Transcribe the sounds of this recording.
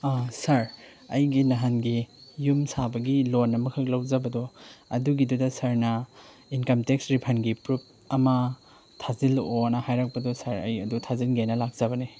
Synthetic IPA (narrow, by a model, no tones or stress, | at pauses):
asɐɾ | ɐjɡinɐɦanɡijumsabɐɡilonːɐmɐkʰɐk̚lɐwzɐbɐdoɐduɡidudɐsɐɾnɐ | inkɐmteksɾipʰɐnɡipɾup̚ | ɐmɐ | tʰazilonɐhajɾak̚pɐdɔsɐɾɐjɐdutʰazilɡeajnɐlak̚z̥ɐbɐni